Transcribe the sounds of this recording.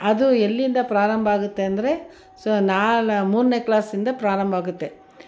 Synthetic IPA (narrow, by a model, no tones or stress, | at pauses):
ɐðɯɛlːind̪apɪɾaːɾɐmbaːɣɯt̪ːeɛnd̪ɪɾe | soːnaːlmuːɾnɐkɪlaːsɪnd̪apɪɾaːɾɐmbaːɣɯt̪ːe